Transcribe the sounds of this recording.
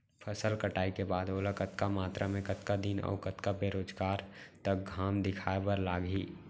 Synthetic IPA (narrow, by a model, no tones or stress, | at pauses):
pʰəsəlkəʈaːikebaːd̪oːlakət̪kamaːt̪ɾʔamẽkət̪kad̪inɔ̰ːkət̪kabeːɾoːd͡ʒɡaːɾt̪ək̚ɡʱaːmd̪ɪkʰaːebəɾlaːɡiː